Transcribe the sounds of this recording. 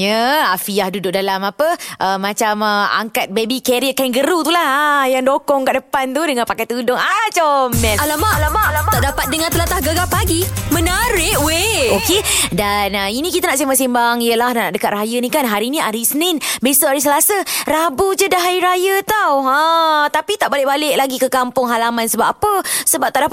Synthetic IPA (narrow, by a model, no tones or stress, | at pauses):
jəafiahdudʊʔ̚dalamapəʔəmːat͡ʃaməa̰ŋkat̪̚bebikɛɾiəkainɡəɾut̪ulahajaŋdokɔŋkaʔdəpant̪udəŋanpakajt̪udʊŋat͡ʃɔmːɛnalamaalamalamaʔdapat̪̚dəŋãnt̪əlat̪ahɡaɡapaɡimənaɾɪʔweokedanəinĩkit̪anaʔsimaʔsimbaŋijəlahnaʔaʔdəkat̪̚rajənikanɦaɾinĩaɾisənɪnbesoʔaɾis̬əlasərabud͡ʒədaɦaiɾajət̪awə̃t̪apit̪aʔbalɪʔ̚balɪk̚laɡikəkampʊŋɦalamansəbap̚apəsəbap̚t̪aʔdapa